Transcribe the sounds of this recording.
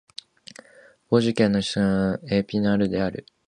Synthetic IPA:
b̥o̞ʑikẽ̞nːo̞ɕi̥t͡sãepʲinaɾɯ̟d̪e̞aɾɯ̟

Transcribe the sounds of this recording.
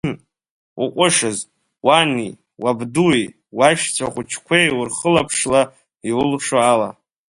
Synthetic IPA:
uqʷʼʊʂɨz | wanḭ | wabdui | waʃt͡sʷʰaχʷʊt͡ʃʰkʷʰejwʊrχəlapʰʂla | iʊlʂoala̰

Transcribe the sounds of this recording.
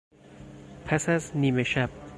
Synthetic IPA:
pʰæsæzniːmeʃæb̥̚

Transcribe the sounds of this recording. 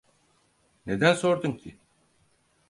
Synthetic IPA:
ne̞d̪ænso̞ɾd̪umcʰi

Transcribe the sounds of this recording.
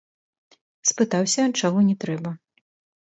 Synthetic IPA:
spɨt̪awsʲɐt͡ʂaɣɔnʲɛt̪ɾɛbɐ

